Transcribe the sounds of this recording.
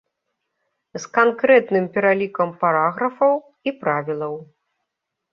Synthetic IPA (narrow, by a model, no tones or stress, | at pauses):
skankɾɛt̪nɨmpʲɛɾalʲikɐmpaɾaɣɾɐfɐw | ipɾavʲilˠɐw